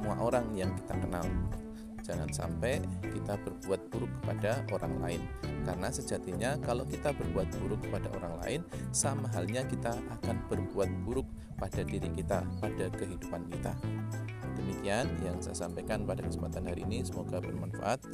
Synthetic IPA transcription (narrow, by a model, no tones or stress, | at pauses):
əmua̰ʔoɾaŋjaŋki̥t̪akənal | d͡ʒaŋa̰nsa̰mpɛkit̪abərbuat̪̚b̥uɾʊkːə̥padaʔoɾa̰ŋla̰ɪnkaɾənasəd͡ʒat̪iɲakalokit̪abərbuat̪̚b̥uɾʊk̚ːə̥padaʔoɾaŋla̰ɪnsamaɦalɲakit̪aakanb̥ərbuat̪̚b̥uɾʊk̚ | pad̥adiɾikit̪apadakəɦidupankit̪a̰ | d̥əmikianjaŋsa̰jasampekanpadakəsəmpat̪anɦaɾiːnisəmoɡabərmanfa̰ʔat̪̚